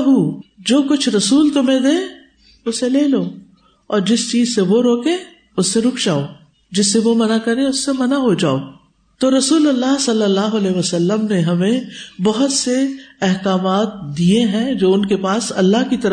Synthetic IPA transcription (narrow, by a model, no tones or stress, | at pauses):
ɦuːd͡ʒoːkʊt͡ʃʰɾɐsuːlt̪ʊmẽd̪ẽː | ʊsːeleːloː | ɔːɾd͡ʒɪst͡ʃiːzseʋoɾoːkẽː | ʊsːeɾʊkd͡ʒaːoː | d͡ʒɪsːeʋomɐnakɐɾẽʊsːemɐnaɦod͡ʒa̰ːoː | t̪oːɾɐsuːlɐlːaɦsɐlːəlːaːɦoɐleːʋɐsəlːəmneɦɐmẽbɐɦʊt̪seɛɦkaːmaːt̪̚d̪ieɦɛ̃d͡ʒoːʊnkepaːsɐlːaɦkit̪ɐɾ